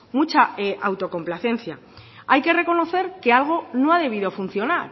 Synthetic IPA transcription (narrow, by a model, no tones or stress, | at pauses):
mut͡ʃaeʔawt̪o̞ko̞mplaθẽ̞nθja | ajke̞re̞ko̞no̞θe̞ɾke̞alɣ̞o̞no̞aðe̞β̞iðo̞funθjo̞naɾ